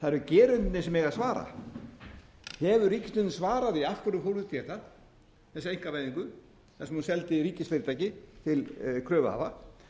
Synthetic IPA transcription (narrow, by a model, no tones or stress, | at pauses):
θaðɾʏcɛːɾʏnt̪nɪsɛmɛɣasvaːɾa̰ | hɛvʏricɪ̥st̪ʏnsvaːɾaðiafkvʏɾʏmfowɾʏt̪ʰjɛːt̪a | θɛsːejŋ̥kavajðiŋkʏ | θasmunsɛlt̪ɪɾiːcɪsfɪɾɪt̪ajcɪt̪ʰɪlkʰɾœːvʏa̰va